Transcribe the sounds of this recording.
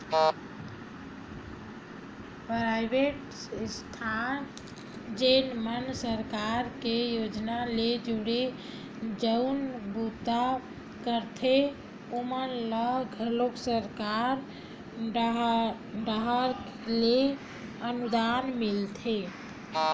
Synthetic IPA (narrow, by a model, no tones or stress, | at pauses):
pɾajbeʈ | st̪ʰan | d͡ʒenmənsəɾkaɾkejod͡ʒnaled͡ʒuɽe | d͡ʒəʊnbut̪ːa | kəɾt̪ʰe | omənləɡʱəloksəɾkaɾ | ɖəɦəɾ | le | ənud̪anmilt̪ʰe